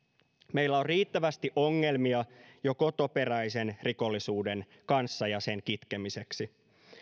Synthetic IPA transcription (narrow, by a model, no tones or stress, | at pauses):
meilːæorriːt̪ːæʋæst̪iʔo̞ŋːe̞lmiɑjo̞ko̞t̪o̞pe̞ræjse̞nriko̞lːisuːde̞n | kɑnsːɑjɑse̞ŋkit̪kemise̞ksi